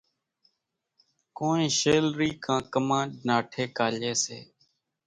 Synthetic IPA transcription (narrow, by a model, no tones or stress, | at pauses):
koːnẽːʃeːlɾiːkʰãːkəmãːɖnaːʈʰeːkaːleːsḛː